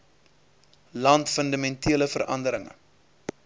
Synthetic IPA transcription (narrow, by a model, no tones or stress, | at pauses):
lɐntfəndɐmɛntʰiələfəɾʔɐ̰ndəɾəŋə̰